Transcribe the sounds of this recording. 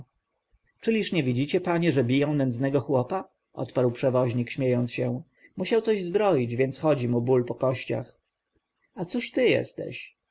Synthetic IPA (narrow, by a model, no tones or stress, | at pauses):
t͡ʂɘlʲiʂɲɛvʲid͡ʑit͡ɕɛpaɲɛʐɛbʲijɔ̃w̃nɛnd̪znɛɡɔxwɔpa | ʔɔ̰t̪paɾwpʂɛvɔʑɲikɕmʲjejɔnt̪sɕɛ | muɕawt̪sɔʑzbɾɔjid͡ʑvʲjɛnt̪sxɔd͡ʑimubulpɔkɔɕt͡ɕa̰x | at̪suɕt̪ɘjɛ̰st̪ɛ̰ɕ